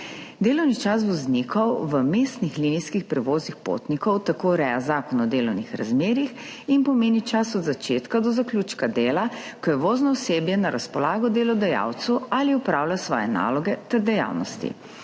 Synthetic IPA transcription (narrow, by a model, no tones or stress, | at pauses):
d̪eːlɔwnit͡ʃas̬ʋɔznikʰɔwʋəmeːst̪nixliniskixpɾɛʋoːznixpo̰t̪nikɔwt̪akoːɾɛjazaːkɔnɔd̪eːlɔwnixɾa̰zmeːɾix | inpɔmeːnit͡ʃasɔd̪zat͡ʃeːt̪kad̪ɔzakljuːt͡ʃkad̪eːlakɔjɛʋoːznɔɔseːbjɛnaɾʔaspɔlaːɡɔd̪elɔd̪ɛja̰wt̪sualiupɾaːwlasʋɔːjɛna̰ːlɔɡɛt̪ɛɾd̪ɛja̰wnɔ̰st̪ḭ